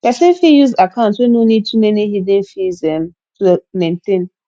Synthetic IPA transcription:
pɛsɛ̃nfijuzakʰãʊ̃ntwenonid̚tʰumɛnihidɛ̃nfizɛ̃m | tumẽntʰẽn

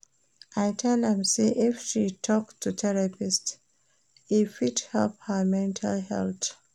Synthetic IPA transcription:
ʔaɪtʰɛldɛ̃mseʔifʃitʰɔktʰːutʰɛɹapist | ifithɛlp̚həmɛ̃ntʰa̰lɦɛ̰lθ

